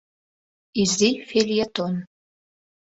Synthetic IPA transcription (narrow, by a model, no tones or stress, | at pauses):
izdifeljɛt̪ʰon